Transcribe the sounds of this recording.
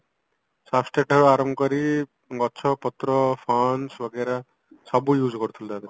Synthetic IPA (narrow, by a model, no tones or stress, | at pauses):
sapsʈeʈɔɾuaɾɔmbɔkɔɾi | ɡɔt͡ʃʰɔpɔt̪ɾɔpʰɔnsbɔɡeɾa | sɔbujuːd͡ʒkɔɾut̪ʰuld̪ad̪e